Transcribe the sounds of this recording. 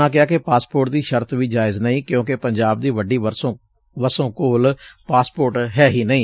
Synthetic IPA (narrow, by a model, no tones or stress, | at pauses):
ãːk̬ɪjaːkɪpaːspoːɾʈd̪iːʃəɾt̪ʋiːd͡ʒaːɪznəĩːkjõːkɪpəɲd͡ʒaːb̚d̪iːʋəɖiːəsõː | ʋəsõːkoːlpaːspoːɾʈɦɛːɦiːnəĩː